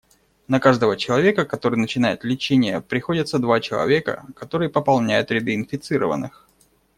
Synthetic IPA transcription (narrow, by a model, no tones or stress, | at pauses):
nɐkaʐd̪əvət͡ɕɪlˠɐvʲe̞kəkɐt̪o̞ɾɨjnət͡ɕɪnajɪt̪lʲɪt͡ɕenʲɪjəpɾʲɪxo̞dʲɪt̪səd̪vat͡ɕɪlˠɐ̰vʲe̞kə̰kɐt̪o̞ɾɨjəpəpɐlˠnʲæjʊt̪ɾʲɪd̪ɨɪnfʲɪt̪sɨɾə̰və̰nːɨx